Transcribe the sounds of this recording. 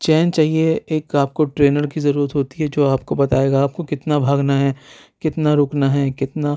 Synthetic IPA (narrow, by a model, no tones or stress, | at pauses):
t͡ʃɛːnt͡ʃaːɦieeːkaːp̚koʈɾeːnəɾkizɐɾuːɾət̪ɦoːt̪iɦɛd͡ʒoːaːpkobɐt̪aːeːɡaːp̚kokɪt̪nabʱaːɡnaɦɛ | kɪt̪naɾoːknaɦɛkɪt̪na